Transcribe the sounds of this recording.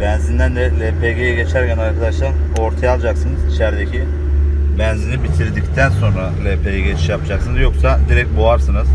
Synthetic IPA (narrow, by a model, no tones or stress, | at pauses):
bɛnzind̪ænd̪ɛlʲepʰeɟejɛɟe̞t͡ʃʰæɾcʰænaɾkʰad̪aʃlˠaɾ | o̞ɾt̪ʰajalˠd͡ʒaksɯnɯzit͡ʃʰæɾd̪ecʰi | bɛnzinibit̪ʰiɾd̪ict̪ʰænso̞nɾalʲepʰejɛɟet͡ʃʰi̥ʃjapʰɯd͡ʒaksɯnɯzjo̞ksad̪iɾɛc̚t̪̚boaɾsɯnɯz̥